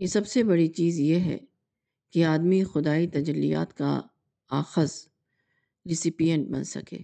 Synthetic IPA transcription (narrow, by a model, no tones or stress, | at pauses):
jesɐbsebɐɽit͡ʃiːzjeɦɛ̰ | keaːd̪mixʊd̪aːit̪ɐd͡ʒəlːḭja̰ːt̪ka̰ | aːxəz | ɾɪsɪpijə̃ɳʈ̚bɐ̰nsɐ̰kḛː